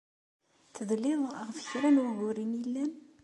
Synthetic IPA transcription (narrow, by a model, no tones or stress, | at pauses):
θəðlɪðˤəʁfəçɾænwʝʊɾinjilːæn